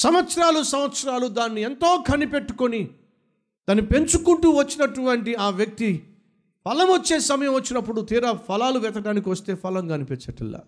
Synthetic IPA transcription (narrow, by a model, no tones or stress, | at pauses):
sɐmɐt̪sɐɾaːlusɐmɐt̪sɐɾaːlud̪aːnːient̪o̞ːkʰɐnːipe̞ʈːu̥koni | d̪aːnːipe̞ɲt͡ʃukuɳʈuʋɐt͡ʃːinɐʈːuʋɐɳʈiaːʋjɐk̚t̪i | pʰɐlɐmʋɐt͡ʃːe̞ːsɐmɐjɐ̃mʋɐt͡ʃːinɐpːuɽut̪iːɾapʰɐlaːluʋɛt̪ɐɖaːnik̬iʋɐst̪e̞ːpʰɐlɐŋɡaːnipɛt͡ʃɐʈḭlːa̰